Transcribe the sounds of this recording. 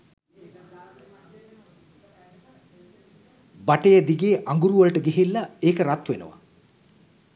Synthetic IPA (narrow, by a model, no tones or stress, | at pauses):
baʈejəd̪iɡeːʔaŋɡuɾuʋəlʈəɡeɦilːaeːkəɾat̪ʋenə̰ʋa̰